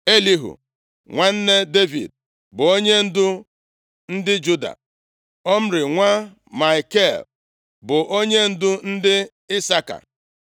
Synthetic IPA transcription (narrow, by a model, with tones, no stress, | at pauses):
e˦li˦ɦṵ˨ | ŋʷa˦n̩˦ne˦de˦vḭ˨d̚ | bʊ˨o˦ɲe˦n̩˦dʊ˦ | n̩˦dɪ˦d͡ʒu˦da̰˨ | ɔ˦m̩˦ɾɪ˨ŋʷa˦ | ma˨i˨ke˦˨l | bʊ˨ʔo˦ɲe˦n̩˦dʊ˦n̩˦dɪ˦ | ɪ˦sa˦ka̰˨